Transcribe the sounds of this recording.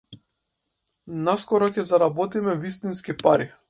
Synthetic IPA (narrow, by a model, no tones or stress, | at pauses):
naskɔɾɔkʲɛzaɾabɔt̪imɛvist̪inskipaɾi